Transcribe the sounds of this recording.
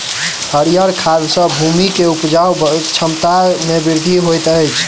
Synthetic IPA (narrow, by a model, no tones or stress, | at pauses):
həɾijəɾkʰad̪sə̃bʱumikeupd͡ʒawbət͡ʃʰəmt̪amebiɾd̪ʱiɦojt̪ət͡ʃʰ